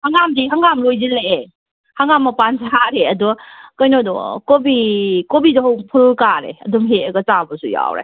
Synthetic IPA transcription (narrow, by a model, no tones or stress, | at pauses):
haŋamdiɦaŋamlojzile | haŋamːapanzaɾeɐdɔkɔjnɔdɔ̰kɔbikɔbidɔɦɔwpʰulkaɾḛɐdɔmɦeɡɐt͡ʃabɐsuja̰wɾḛ